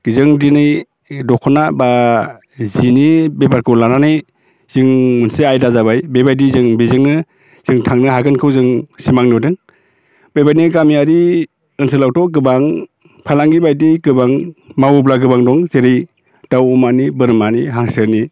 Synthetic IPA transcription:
ɡ̥izɯŋdinɯj | dɔkʰɔnaba | zinibepʰaɾkʰɯlananɯj | z̥ɯŋmɯnseajdazabajbebajdizɯŋbizɯŋnɯ | z̥ɯŋtʰaŋnɯɦaɡɯnkʰɯwzɯŋsimaŋnudɯŋ | bebajniɡamiaɾi | ɯnsɯlawtʰɔɡɯbaŋ | pʰalaŋɡibajdiɡɯbaŋmawublaɡɯbaŋdɔŋzeɾɯj | d̥awumanibɯɾmaniɦaŋsɯni

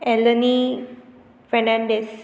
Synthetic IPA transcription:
ɛləni | fɛnãɳɖes

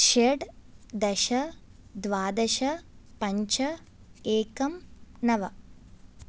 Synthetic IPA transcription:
ʃeɖd̪ɐʃɐd̪ʋaːd̪ɐʃɐpɐɲt͡ʃɐ | eːkɐmnɐʋɐ

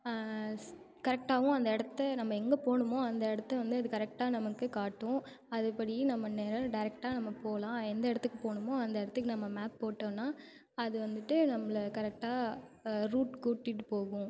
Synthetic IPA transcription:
kɐɾɛk̚ʈaːʋʊ̃ɐnd̪ɐɛɽɐt̪ːɐnɐmːɐɛŋɡɐpoːɳɯmoːɐnd̪ɐɛɽɐt̪ːɐʋɐnd̪ɯɐðɯkɐɾɛk̚ʈaːnɐmɐkːɯkaːʈːʊ̃ | ɐðɯpɐɽɪnɐmːɐneːɾɐɖɐɪɾɛk̚ʈaːnɐmːɐpoːlãːɛnd̪ɐɛɽɐt̪ːɯkːɯpoːɳɯmoːɐnd̪ɐɛɽɐt̪ːɯkːɯnɐmːɐmaːpːoːʈːɐ̃ːnːaː | ɐðɯʋɐnd̪ɯʈːɯnɐmːɐɭɐkɐɾɛk̚ʈaːɾuːʈkuːʈːɪʈːɯpoːɣʊ̃

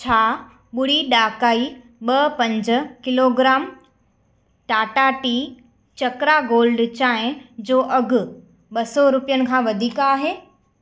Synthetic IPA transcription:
t͡ɕʰaː | ɓʊɽ̤iɗaːkaːi | ɓɐpɐ̃ɲd͡ʑ̆kɪloːɡɾaːm | ʈaːʈaʈiː | t͡ɕɐkɾaɡoːlɖt͡ɕaːɦɪ̃d͡ʑoːʔɐɡʱʊ̆ | ɓɐsɔɾʊpijənɪ̆kʰãːʋɐd̪ʱiːkaːɦeː

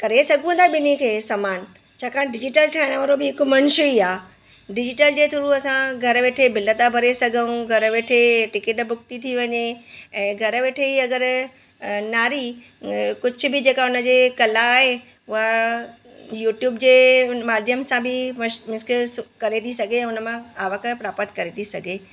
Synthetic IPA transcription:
kɐɾesɐɡʱũːnd̪aɓɪnikʰeːsaːmaːn | t͡ɕʰaːkʰãːɖɪd͡ʑɪʈəlʈʰaːɪɽ̃ʋɐɾobɪɦɪkʊmɐ̃ñʃiaː | ɖɪd͡ʑɪʈəld͡ʑeːt̪ʰuɾuɐsãɡʱɐɾʋeːʈʰebɪlət̪abʱɐɾesɐɡʱəũɡʱɐɾʋeːʈʰeʈɪkɪʈbʱʊk̚t̪it̪ʰiʋɐɲeɛ̃ːɡʱɐɾʋeːʈʰeiɐɡəɾ | naːɾi | kʊd͡ʑʱʊ̆bɪd͡ʑeːkaʊnəd͡ʑekɐlaːɦe | ʊɦa | juːʈjuːbd͡ʑeːmaːd̪ʱjəmsãbɪmmɪskskɐɾet̪ʰisɐɡʱeɛ̃ːʊnə̆mãaːʋəkəpɾaːpət̪kɐɾet̪ʰisɐɡʱe

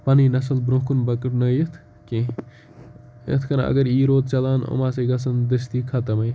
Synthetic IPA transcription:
pɐninɐsɐlbɾõːkunbɐkɐʈnəjɐt̪ʰ | ke | ɐ̰t̪ʰkɐnɐ̰ɡəɾiːɾoːd̪̚t͡ʃɐlaːno̰maːsɐɡɐs̬ɐnd̪ɐst̪ikʰɐt̪ɐmɐj

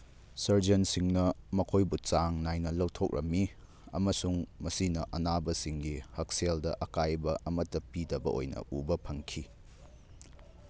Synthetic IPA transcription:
sɐɾd͡ʒɐnsiŋnɐmɐkʰojbut͡ʃaŋnajnɐlɐwtʰok̚ɾʔɐ̰mːi | ɐ̰mɐsuŋmɐsinɐʔɐnabɐsiŋɡihɐk̚seldɐʔɐkajbɐɐmɐtːɐpidɐbɐ̰ʔo̰jnɐ̰ʔubɐpʰɐŋkʰi

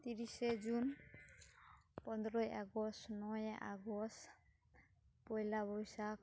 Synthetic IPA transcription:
t̪iɾised͡ʒun | pɔnd̪ɾɔjaɡɔsnɔjʔaɡɔst | pɔjlaβɔjsak

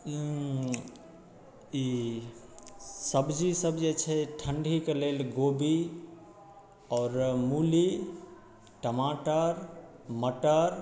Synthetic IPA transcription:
i | səbd͡ʒisəbd͡ʒet͡ʃʰɛʈʰəɳɖʱikelelɡobi | ɔːɾmuli | ʈəmaʈəɾ | məʈəɾ

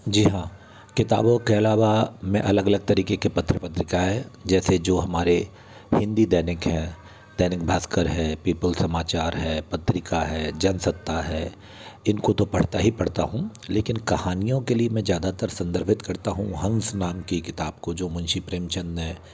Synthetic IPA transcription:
d͡ʒiːɦãː | kɪt̪a̰ːbõkeɐlaːʋamɛ̃ʔɐləɡɐləɡ̚t̪ɐɾiːkekepɐt̪ʰːɾəpət̪ɾɪkaɦɛːd͡ʒɛːsed͡ʒoːɦɐmaːɾe | hɪ̃nd̪id̪ɛːnɪkɦɛ̃ː | d̪̥ɛːnɪk̚bʱaːskəɾɦɛːpiːpəlsɐmaːt͡ʃaːɾɦɛːpɐt̪ɾɪkaɦɛːd͡ʒɐnsɐk̚t̪aɦɛː | ɪnkot̪opɐɽ̤t̪aɦipɐɽ̤t̪a̰ɦũleːkɪnkɐhaːnijõkeliemɛ̃zjaːd̪at̪əɾsɐ̃nd̪əɾbʱɪt̪kɐɾt̪aɦṵ̃ɦɐ̃nsnaːmkikɪt̪aːb̚kod͡ʒoːmʊ̃nʃipɾeːmt͡ʃə̃nd̪ɛ̃ː

